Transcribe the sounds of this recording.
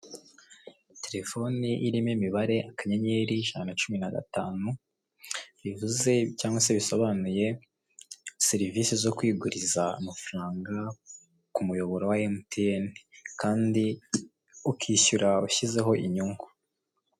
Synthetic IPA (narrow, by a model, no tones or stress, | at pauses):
tʰe̞ɾe̞fo̞niʔiɾimemiβaɾe̞ʔakaɲeɲeɾiʒanat͡ʃuminaɡa̰taːnu | βivuze̞caːŋɡwaseβisoβanuje̞ | seɾivisizo̞kwiːɡuɾizaṵmafɾaːŋɡa | kumujo̞βo̞ɾowaemutienikaːndi | ukʰiːçuɾauçize̞ɦo̞ʔiɲuŋɡu